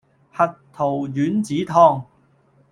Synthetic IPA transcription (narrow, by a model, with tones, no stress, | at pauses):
hɐ˨t̚t̪ʰo˨˩wjyː˨˥nt͡siː˨˥t̪ʰɔː˧ŋ